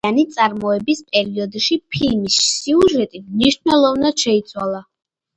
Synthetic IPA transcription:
anit̪sʼaɾmɔɛbispʼɛɾiɔd̪ʃipʰilmisːiuʒɛt̪ʼimniʃnɛlˠɔvnad̪̥ʃɛit̪sʰwalˠa

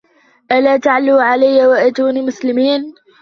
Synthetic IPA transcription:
ʔalaːt̪aʕalːuːʕalajːawaʔat̪uːnimʊslɪmiːn

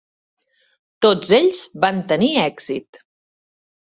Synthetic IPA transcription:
t̪od͡zeʎz̥βant̪əniɛɡz̥it̪

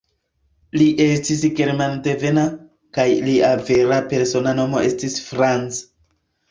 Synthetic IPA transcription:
liʔe̞stisɡe̞ɾmanteve̞na | kajliʔave̞ɾape̞ɾso̞nano̞mo̞e̞stisfɾant͡s

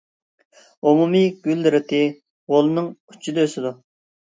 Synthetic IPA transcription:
umumiɡ̥ʲyld̪ɪɾɪt̪ʰɪ | ʁolˠɨnɨŋy̥t͡ʃʰːid̪øøsɪd̪u

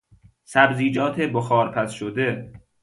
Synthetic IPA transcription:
sæbziːd͡ʒɒːt̪ʰeboxɒːɾpʰæsʃod̪e

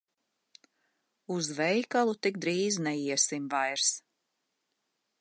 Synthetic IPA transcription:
uzvɛjkalˠut̪ik̚d̪ɾiːznɛiɛsimvajɾs

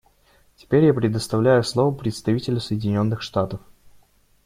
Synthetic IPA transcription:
tʲɪ̥pʲeɾʲjapɾʲɪd̪əst̪ɐvlʲæjʊslˠovəpɾʲɪt̪st̪ɐvʲitʲɪlʲʊsəjɪdʲɪnʲo̞nːɨxʂt̪at̪əf

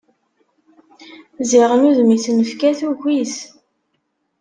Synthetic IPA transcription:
ziʁənuðmiθnəfkæθuʝʷiθ

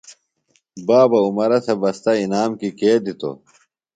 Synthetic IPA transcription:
baːbɐumɐɾɐsʰɐbɐst̪ɐinaːmkikeːd̪it̪o̰

